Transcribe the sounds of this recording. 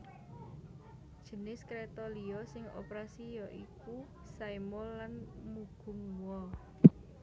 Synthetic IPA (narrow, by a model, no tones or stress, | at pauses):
d̥ʒ̥ənɪskɾet̪ɔliɔsɪŋo̰pɾasijɔʔiku | saimɔllanmuɡ̥ʊ̤ŋwɔ